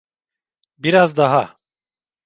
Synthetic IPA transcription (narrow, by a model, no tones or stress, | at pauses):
biɾazd̪aɦa